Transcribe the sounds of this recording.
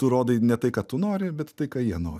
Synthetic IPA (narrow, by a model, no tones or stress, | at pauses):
t̪ʊɾoːd̪ɐɪnʲɛt̪ɐɪkɑːt̪ʊnoːɾʲɪbʲɛt̪tɐɪkɑːjiɛnoːɾʲɪ